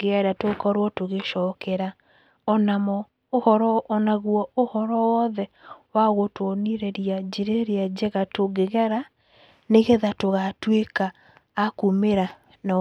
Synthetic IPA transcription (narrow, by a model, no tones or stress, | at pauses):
ɡeɛɾatokɔɾwɔtoɣeʃɔkɛɾa | ɔnamɔ | ohɔɾɔʔːnaɣwɔohɔɾɔwɔðɛwaɣotoniɾeɾiad͡ʒiɾeɾead͡ʑɛɣatoɡeɣɛɾa | neɣeðatoɣatwekaː | kumeɾa | na